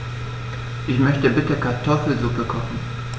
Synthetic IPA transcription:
ʔɪçmœçtəbɪtəkʰaɐtʰɔfl̩zʊpəkʰɔχn̩

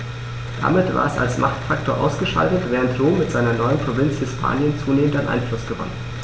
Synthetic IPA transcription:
d̥a̰mɪtv̥a̰ːɐɛsa̰lsmʔaχtfaktʰoːɐʔa̰ʊsɡ̥əʃa̰ltətv̥ɛːʁəntʁoːmːɪtz̥aɪnɐnɔʏənpʁ̥ovɪnt͡shɪspʰa̰ːnjənt͡suːneːməntaɪnʔa̰ɪnflʊsɡ̥əvɔ̰nən

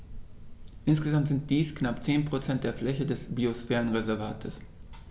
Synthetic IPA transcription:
ʔɪnsɡ̥əzamtz̥ɪnt̚d̥iːsknapt͡seːnpʁ̥ot͡sɛntd̥eːɐflɛçədɛsb̥iosfɛːʁənʁezɛɐva̰ːtʰəs

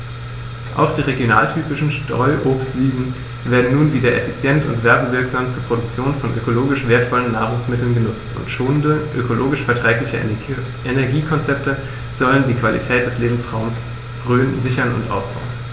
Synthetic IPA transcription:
ʔa̰ʊxd̥iːʁeɡjona̰ːltʰyːpɪʃn̩ʃtʁɔʏʔoːpstv̥iːzn̩ | veːɐdn̩nuːnviːdɐʔḛfit͡sjɛntʊ̰ntv̥ɛɐbəvɪɐkz̥aːmt͡suːɐpʁ̥odʊk̚t͡sjoːnfɔnʔø̰koloːɡɪʃv̥eːɐtfɔlənːaːʁ̞ʊŋsmɪtl̩nɡənʊt͡stʊ̰ntʃoːnəndəʔø̰kʰoloːɡɪʃfɛɐtʁ̥ɛːklɪçə | ʔenɛɐɡiːkʰɔnt͡sɛp̚tə | z̥ɔləndiːkv̥alḭtʰɛːt̚d̥ɛsleːbm̩sʁaʊms | ɡ̥ʁyːnzɪçɐnʊ̰ntʔa̰ʊsb̥a̰ʊən

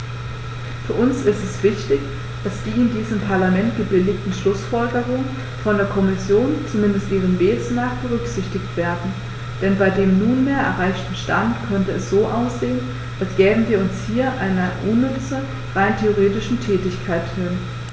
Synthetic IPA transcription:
fyːɐʔʊnsɪstɛsv̥ɪçtɪç | d̥asd̥iːɪndiːzəmpʰaɐlamɛntɡ̥əbɪlɪçtn̩ʃlʊsfɔlɡəʁʊŋən | fɔndeːɐkʰɔmɪsjoːnt͡sumɪndəstʔiːʁ̞ənmeːsnaːχb̥əʁʏkz̥ɪçtɪçtv̥eːɐdn̩ | d̥ɛnbaɪdeːmnuːnmeːɐʔɛ̰ɐʁaɪçtn̩ʃtantkʰœntəɛsz̥oːʔaʊsz̥eːən | ʔalsɡ̥ɛːbm̩viːɐʊnshiːɐʔaɪnɐʔʊnːʏt͡sɐ | ʁaɪntʰeoʁeːtɪʃn̩tʰɛːtɪçkʰaɪthɪn

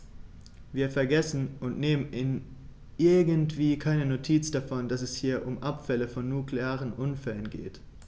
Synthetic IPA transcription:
viːɐfɛɐɡɛsn̩ʔʊntneːmənʔɪn | ʔɪɐɡəntv̥iːkʰaɪnənotʰiːt͡sd̥afɔnd̥asɛshiːɐʔʊmʔapfɛləfɔnːukleaːʁənʔʊnfɛlənɡḛːt

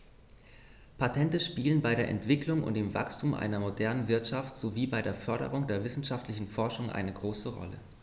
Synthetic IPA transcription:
pʰatʰɛntəʃpiːlənbaɪɾeːɐʔɛ̰ntv̥ɪklʊŋʊ̰nt̚d̥eːmva̰kstʰuːmʔa̰ɪnɐmodɛɐnənvɪɐtʃaftz̥oviːbaɪɾeːɐfœɐɾə̰ʁ̞ʊŋdeːɐvɪsn̩ʃaftlɪçn̩fɔɐʃʊŋʔa̰ɪnəɡʁoːsəʁɔ̰lə̰

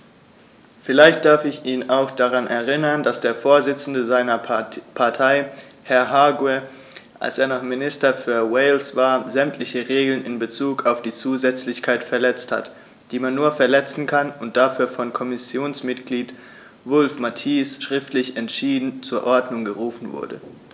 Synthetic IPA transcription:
fɪlaɪçt̚d̥aɐfɪçiːnaʊxd̥aʁanɛɐʁɪnɐndasd̥eːɐfoːɐzɪt͡sn̩dəzaɪnɐpʰaɐtʰaɪ | hɛɐɦaːɡwɛ | ʔa̰lseːɐnaχmɪnɪstɐfyːɐwɛɪlsv̥aːɐzɛmtʰlɪçəʁeːɡl̩nɪnbət͡suːkaʊfd̥iːt͡suːzɛt͡slɪçkʰaɪtfɛɐlɛt͡stha̰t | d̥iːmanːuːɐfɛɐlɛt͡sn̩kʰanʊnt̚d̥afyːɐfɔnkʰɔmɪsjoːnsmɪtɡ̥liːt | vʊlfmatʰiːsʃʁ̥ɪftlɪçɛntʃiːdn̩t͡suːɐʔɔɐdnʊŋɡəʁuːfn̩vʊ̰ɐdə̰

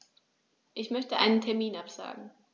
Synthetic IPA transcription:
ʔɪçmœçtəʔaɪnəntʰɛɐmiːnapz̥a̰ːɡŋ̩

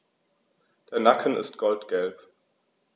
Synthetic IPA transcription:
d̥eːɐnakʰənɪ̰stɡ̥ɔltɡ̥ɛlp

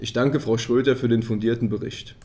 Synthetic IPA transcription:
ʔɪçd̥aŋkəfʁ̥aʊʃʁ̥øːtɐfyːɐdeːnfʊndiːɐtn̩bəʁɪ̰çt

